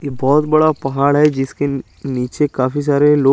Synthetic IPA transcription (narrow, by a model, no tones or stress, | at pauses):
jeːbɔːt̪bɐɽapɐɦaːɽɦɛd͡ʒɪske | niːt͡ʃekaːfis̬aːɾeloː